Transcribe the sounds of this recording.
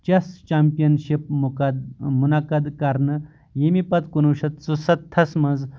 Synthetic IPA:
t͡ɕɐst͡ɕampijɐnɕip̚mukɐd̪munakɐd̪kaɾnɐ | jemipɐt̪kunuwɕɐt̪̚t͡susɐt̪ʰːɐsmɐnd͡z

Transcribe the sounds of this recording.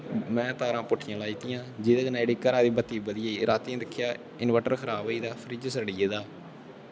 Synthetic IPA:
mɛ̃ːt̪aːɾãːpʊʈʰːɪjãːlaːiːt̪ijãːd͡ʒɪːd̪aːɡənaːeːɽiːkəɾaːd̪iːbət̪ːiːbəd̪ɪjaːiːɾaːt̪iːãːd̪ɪkʰːɪjaː | ɪnʋɛːʈəɾkʰəɾaːbiːd̪aːpʰəɾiːd͡ʒsəɾɽiːeːd̪aː

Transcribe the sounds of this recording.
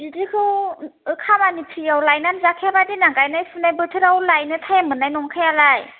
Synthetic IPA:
didikʰɯwɯkʰamanipʰɾiawlajnanzakʰiabadinaŋɡajnajsunajbɯtʰɯɾawlajnɯtʰajamɯnajnɔŋkʰajalaj

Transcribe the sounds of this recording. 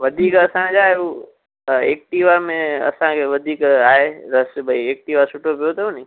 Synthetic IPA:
ʋɐd̪ʱiːkɐsãd͡ʒaːɦeuː | eːk̚ʈiːʋamẽɐ̰sãkʰeʋɐd̪ʱiːkaːɦeɾɐsbʱɐieːk̚ʈiːʋasʊʈʰopijot̪ɐunĩ

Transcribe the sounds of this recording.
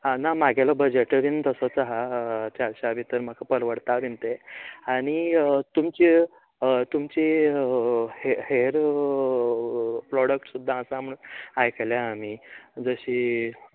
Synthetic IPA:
anamaɡalɔbəd͡ʑeʈəʋint̪əsɔt͡saɦat͡ɕaɾɕaʋit̪əɾm̤akʰapəɾʋəɽt̪aʋint̪eaɽ̃it̪umt͡ɕi | t̪umt͡ɕi | heheɾ | pɾɔɽək̚ʈsud̪ʱːaəsam̤əunajkeleam̤id͡zəɕi

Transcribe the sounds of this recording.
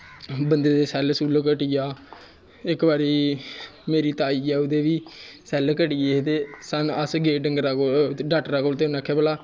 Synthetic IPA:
bənd̪eːd̪eːsɛːlsuːlkəʈɪjaː | ɪkbaːɾiː | meːɾiːt̪aːiːɛːʊd̪eːʋiːsɛːlkəʈɪjeːt̪eːsənəsɡeːɖəŋɡɾaɡoːɖaːʈɾakoːlt̪eːnɛːkʰːɛːpəlaː

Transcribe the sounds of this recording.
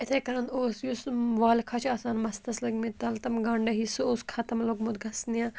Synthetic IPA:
ɪt̪ʰekɐɾɐ̃noːsjusʋaːlkʰɐt͡ʃʰaːsaːnmɐst̪ɐslɐɡmẽt̪ɐlt̪ɐmɡɐɳɖɐɦisoːskʰɐt̪ɐmloɡmʊt̪̚ɡɐsnijãː

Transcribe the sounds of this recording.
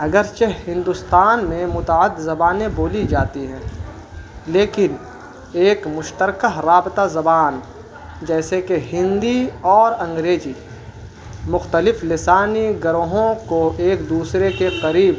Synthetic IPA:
ɦɐɡəɾt͡ʃehɪ̃nd̪ʊst̪aːnmẽmʊt̪aəd̪zɐbaːnẽboːlid͡ʒaːt̪iɦɛ̃ː | leːkɪn | eːkmʊʃt̪əɾkəɦɾaːbɪt̪azɐbaːn | d͡ʒɛːsekeɦɪ̃nd̪iɔːɾɐ̃ŋɡɾeːd͡ʒi | mʊxt̪əlɪflɪsaːniɡɐɾoɦõkoʔeːkd̪uːsɾekeqɐɾiːb

